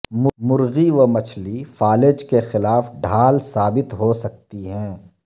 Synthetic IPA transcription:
mmʊɾɣiʋɐmɐt͡ʃʰlifaːlɪd͡ʒkexɪlaːfɖʱaːlsaːbɪt̪ɦosɐk̚t̪iɦɛ̃ː

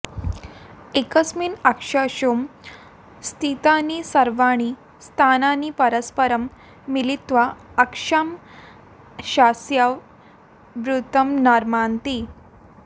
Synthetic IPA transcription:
ekəsmiːnakʂaɕom | st̪ʰit̪aniːsəɾʋaɳ̃i | st̪ʰananiːpəɾəspəɾəmː | ilit̪ʋaəkʂam | ɕasjaʋ | ʋɾut̪əmnaɾmant̪i

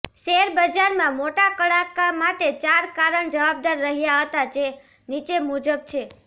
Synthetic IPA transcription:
ʃeɦɾbəd͡ʒaɾmãmoʈakəɭakamaʈet͡ʃaɾkaɾəɳd͡ʒəʋab̚d̪aɾːəɦijaɦət̪ad͡ʒe | nit͡ʃemud͡ʒəb̚t͡ʃʰe

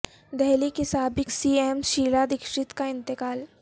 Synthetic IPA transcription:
d̪ɛɦlikɪsaːbɪksiːeːmʃiːlad̪ɪkʃɪt̪kaɪ̃nt̪ɪkaːl

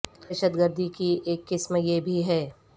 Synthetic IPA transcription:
əʃəd̪ɡəɾd̪ʱikieːkːɪsmjebʱiɦɛː

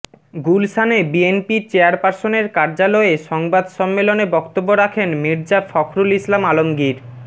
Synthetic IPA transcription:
ɡulʃʰanebienpiɾt͡ɕeaɾpaɾsoneɾkaɾd͡ʑalɔeʃɔŋbad̪ʃɔmːelonebɔkt̪obːoɾakʰenmiɾd͡ʑafɔkʰɾulislamalomɡiɾ

